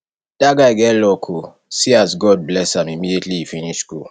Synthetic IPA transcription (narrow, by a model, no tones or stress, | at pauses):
d̥aɡaɪɡɛlɔkʰo | siasɡɔd̚blɛsãmimidietliifiniʃɡo